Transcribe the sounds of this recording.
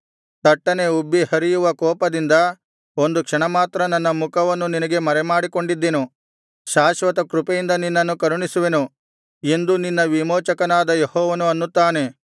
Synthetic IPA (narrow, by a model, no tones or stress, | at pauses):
t̪ɐʈːɐne̞ubːihɐɾijuʋɐkɔːpɐd̪ind̪ɐ | o̞nd̪ukʂɐɳɐmaːt̪ɾɐnɐnːɐmukʰɐʋɐnːuninɐɡe̞mɐɾɛmaːɽiko̞ɳɖid̪ːenu | ʃaːʃʋɐt̪ɐkɾupejind̪ɐninːɐnːukɐɾuɳisuʋe̞nu | e̞nd̪uninːɐʋimɔːt͡ʃɐkɐnaːd̪ɐjehɔːʋɐnuɐnːut̪ːaːne̞